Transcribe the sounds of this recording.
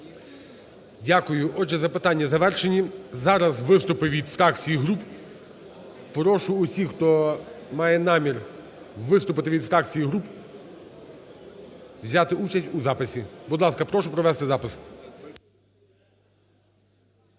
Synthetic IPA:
dʲakʊjʊʔɔʒɛzɐpɪt̪ɑnʲːɐzɐʋɛrʃenʲizɑɾɐzʋɪst̪ʊpɪʋʲid̪fɾɑkt͡sʲijiɦɾup | pɾɔʃʊːsʲixt̪ɔmɑjɛnɑmʲir | ʋɪst̪ʊpɪt̪ɪʋʲid̪fɾɑk̚t͡sʲijiɦɾup | wzʲɑt̪ɪut͡ʃɐsʲtʲuzɑpɪsʲibud̪lˠɑskɐpɾɔʃʊpɾɔʋɛst̪ɪzɑpɪs

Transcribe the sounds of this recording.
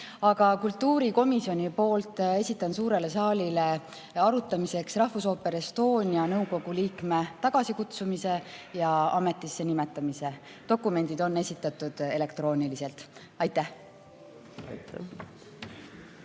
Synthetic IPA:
ɑɡ̥ɑkult̪ˑːuːɾiko̞misjo̞nʲipo̞ːlt̪ˑe̞sʲit̪ːˑɑnsuːɾe̞le̞sɑːlile̞ | ɑɾut̪ːˑɑmise̞ksrɑhfuso̞ːpːe̞ɾist̪o̞ːnʲjɑnɤwko̞ɡ̥uliːkme̞t̪ɑɡ̥ɑsikut̪sumise̞jɑɑme̞t̪ˑːisːe̞nimet̪ːˑɑmise̞ | d̪̥o̞kːˑume̞nd̪̥id̪o̞nːe̞sit̪ːˑɑt̪ːˑud̪̥e̞le̞kt̪ro̞ːnilise̞lt̪ | ɑjt̪ːæh

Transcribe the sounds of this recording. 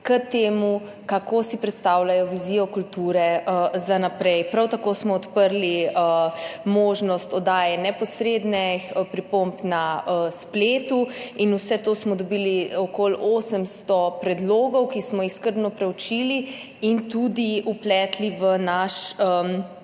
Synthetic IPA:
kət̪eːmu | kakosipɾɛt̪st̪aːwlajɔʋiziːjɔkult̪uːɾɛəzanapɾɛjpɾawt̪akosmɔːt̪pəɾliəmoːʒnɔst̪ɔd̪aːjɛnɛpɔsɾed̪nɛpɾipompnaəspleːt̪uinusɛt̪oːsmɔd̪ɔbiliɔkoloːsəmst̪ɔpɾɛd̪loːɡɔwkismɔjixskəɾd̪nɔpɾɛwt͡ʃiːli | int̪ud̪iuplɛːt̪liʋənaʃə

